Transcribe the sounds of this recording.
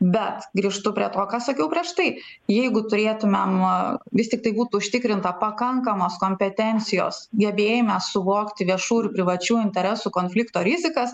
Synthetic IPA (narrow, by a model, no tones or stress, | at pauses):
bʲɛt̪ɡɾʲiːʃt̪ʊpʲɾʲiɛt̪oːkɑːsɐkʲɛʊpʲɾʲiɛʃt̪ɐɪ | jɛɪɡʊt̪ʊɾʲeːt̪ʊmʲemʋʲɪst̪ʲɪkt̪ɐɪbuːt̪uːʊʃʲt̪ʲɪkɾʲɪnt̪ɐpɐkɐŋkɐmoːskoːmʲpʲɛt̪ʲɛnʲt̪sʲɪjo̰ːsɡʲɛbʲeːjomʲɛsʊʋoːkt̪ʲɪʋʲiɛʃuːɪrpʲɾʲɪʋɐt͡ʃʲuːɪnʲt̪ʲɛɾʲɛsuːkoːnʲfʲlʲɪkt̪oːɾʲɪzʲɪkɐs